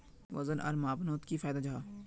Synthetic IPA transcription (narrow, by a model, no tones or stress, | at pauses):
ʋɐzənʔɐ̰ɾmaːbnoːt̪kifaːjd̪ad͡ʒaaː